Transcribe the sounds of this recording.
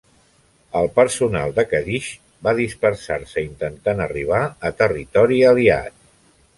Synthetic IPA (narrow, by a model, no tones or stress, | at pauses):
əlˠpəɾsuna̰lˠd̪əkəðiʃ | baðispəɾsaɾsəint̪ənt̪anəriβ̞aət̪ərit̪ɔɾiəlia̰t̪̚